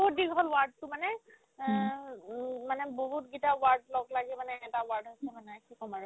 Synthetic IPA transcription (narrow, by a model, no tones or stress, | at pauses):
boɦut̚diɡʱɔlwaɹdtʊmanɛ | manɛboɦutɡitawaɹdlɔɡlaɡɛmanɛɛtawaɹdɦojsɛmanɛkikɔmaɹɛ